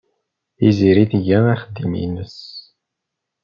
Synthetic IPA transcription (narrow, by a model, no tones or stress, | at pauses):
iziɾiθʝænæχəd̪ːimḭnəs